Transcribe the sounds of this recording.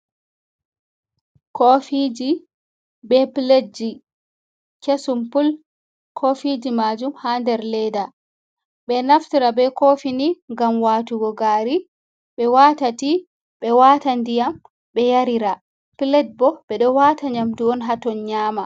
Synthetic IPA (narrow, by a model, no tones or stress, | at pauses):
kofid͡ʒi | bɛpled͡ʒi | kesumpul | kʰofid͡ʒimaːd͡ʒumhaːndɛɾlɛda | ɓɛnaftiɾabɛkofiniŋɡamwaːtuɡɔɡaːɾi | ɓɛwatati | ɓɛwaːtandijam | ɓɛjaɾiɾa | plɛd̚bɔɓɛɗɔwaːtaɲamduɔnɦatɔnɲaːma